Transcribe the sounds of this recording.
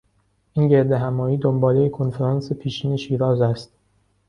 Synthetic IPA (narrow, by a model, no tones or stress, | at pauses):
ʔiːnɟe̞ɾd̪e̞ɦæmɒːjiːd̪ombɒːlejekʰonfeɾɒːnsepʰiːʃiːneʃiːɾɒːzæst̪̚